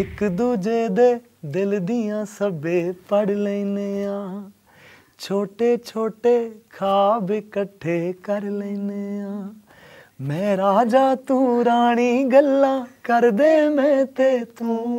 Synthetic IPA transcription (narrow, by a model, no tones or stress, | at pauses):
ɪkd̪uːd͡ʒeːd̪eː | d̪ɪld̪ɪjãːsəbeːpəɽleineːãː | t͡ʃʰoːʈeːt͡ʃʰoːʈeːkʰaːbɪkəʈʰːeːkəɾlɛineãː | mɛ̃ːɾaːd͡ʒaːt̪uːɾaːɳ̃iːɡəlːãːkəɾd̪eːmɛ̃ːt̪eːt̪ũː